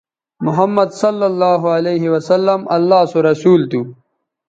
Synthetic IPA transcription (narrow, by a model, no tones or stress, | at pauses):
mʊɦɐmːɐd̪sɐlːɐlːɑːɦualeːɦiwɐsɐlːɐmʔɐ̰lːɑːsoɾɐsuːlt̪u